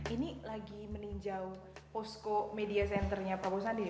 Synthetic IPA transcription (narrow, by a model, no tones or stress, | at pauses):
inilaɡiməniɲd͡ʒaw | pɔskomediasɛnt̪ərɲapɾabosandi